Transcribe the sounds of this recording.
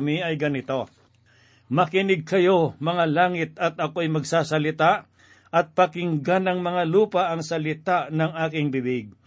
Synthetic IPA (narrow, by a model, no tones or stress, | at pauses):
mɪɐjɡɐnɪt̪o̞ | mɐkɪnɪɡ̚kɐjo̞mɐŋalaːŋɪt̪̚ɐt̪̚ɐko̞ɐjmɐɡsaːsɐlɪt̪aʔ | ʔɐt̪̚pɐkɪŋɡanɐŋmɐŋaluːpɐʔɐŋsɐlɪt̪aʔnɐŋaːkɪŋbɪbɪɡ̚